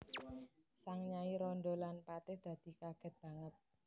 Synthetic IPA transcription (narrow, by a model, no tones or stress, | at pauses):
saŋɲaiɾɔndolanpat̪ɪhd̪̥ä̤d̪̥i̤kaɡ̥ɛ̤t̪̚b̥ä̤ŋət̪̚